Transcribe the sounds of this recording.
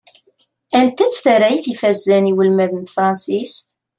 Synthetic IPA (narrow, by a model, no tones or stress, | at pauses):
ænt̪ːæt͡sːθəɾæjθifæzːæniwəlmæðənt̪fɾˤɑnsis